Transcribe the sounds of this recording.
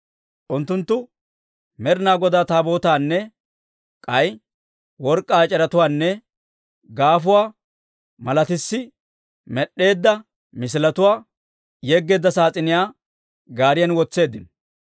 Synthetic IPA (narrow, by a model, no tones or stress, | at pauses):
ʔʊnt̪ːʊnt̪ːʊ | mɛɾɪnaːɡɔd̪aːt̪aːbo̞ːt̪aːnːɛ | kʼɐj | wɔɾkʼːaːt͡ʃʼɛɾɐt̪ʊwaːnːɛ | ɡaːfʊwaː | mɐlɐt̪ɪsːɪ | mɛɗːe̞ːd̪ːɐ | mɪs̬ɪlɐt̪ʊwaː | jɛɡːe̞ːd̪ːɐsaːt͡sʼɪnɪjaː | ɡaːɾɪjɐnwɔt͡sːe̞ːd̪ɪn